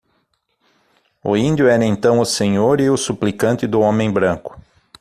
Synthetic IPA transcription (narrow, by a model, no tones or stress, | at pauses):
ʊ̰ĩnd̪jʊɛɾɐẽnt̪ɐ̃w̃ʊsẽɲoɾɪʊsuplikɐ̃nt̪ɪd̪ʊõmẽj̃bɾɐ̃ŋkʊ̥